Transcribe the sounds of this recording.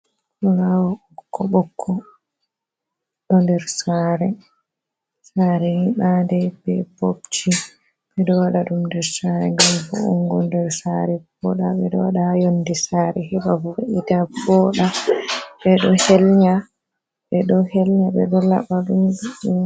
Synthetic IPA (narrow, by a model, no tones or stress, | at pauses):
kulawɔɔkʰːɔɓɔkʰːɔ | ɗɔndɛɾsaɾɛ | saɾɛhiɓandɛbɛbobt͡ʃi | ɓɛɗɔwaɗaɗumndɛɾsaɾɛŋɡamfṵṵŋɡɔndɛɾsaɾɛbɔɗaɓɛɗɔwaɗahajondisaɾɛhiɓafɔʔidabɔɗaɓɛɗɔhɛlɲa | ɓɛɗɔhɛlɲaɓɛ̰ɗɔla̰ɓaɗumɗuɗu